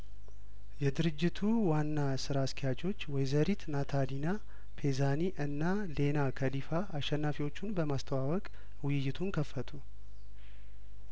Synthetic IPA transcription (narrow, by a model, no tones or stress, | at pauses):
jɛd̪ɨɾɨd͡ʒːɪt̪ʰuwanːasɨɾaskʰijat͡ʃo̞t͡ʃːwɔjzəɾit̪nat̪ʰalina | pʰe̞zaniʔɨnːa | le̞nakʰɐlifaaʃɛnːafiwo̞t͡ʃːʊnbəmast̪ʰəwawɔkʼ | wʊjɪjːɪt̪ʰunkʰəfːət̪ʰu